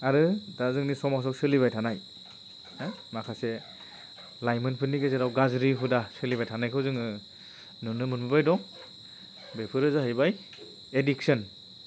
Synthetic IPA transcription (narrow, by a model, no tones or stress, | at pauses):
aɾɯdazɯŋnisɔmas̬ɔksɯliβajtʰanaj | makʰase | lajmɯnpʰɯnːiɡeseɾawɡazɾipʰɯdasɯliβajtʰanajkʰɯwzɯŋɯ | nɯnɯmɯnbɯbajdɔŋ | bepʰɯɾɯzaɦɯjbaj | ediksɯn